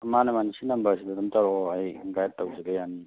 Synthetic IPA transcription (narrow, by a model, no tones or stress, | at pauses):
ɐmanɐmanisinɐmbasidadɐmtaɾɔajɡajatːawzeɡajani